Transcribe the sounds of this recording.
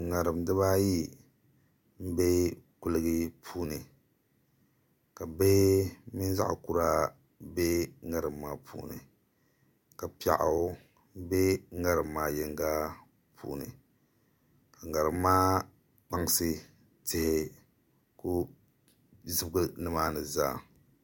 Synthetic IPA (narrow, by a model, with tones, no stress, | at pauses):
ŋa˨ɾɨ˨mdɨ˦βa˦ji˦ | m̩˦be˦kʊ˦lɨ˦ɡɨ˦pʰuː˦nɨ˨ | ka˨be˦mi˦n˦za̰˦ʔʊ̰˨ku˦ɾa˦ | be˦ŋa˦˨ɾɨ˨mːaː˨pʰṵː˦nɨ̰˨ | ka˨pi˨˦a̰˨ʔa̰˨˦ | m̩˦be˦ŋa˦ɾɨ˨mː˦aː˦jɛ˦ŋɡa˦ | pʰṵː˦nɨ̰˨ | ka˨ŋa˨ɾɨ˨mːaː˦ | k͡pa˦ŋ˦sɨ˦ | tɪ˦hɪ˦ | ku˦ | zɨ˦bɡɨ˦nɨ˦maː˦nɨ˨za̰ː˦˨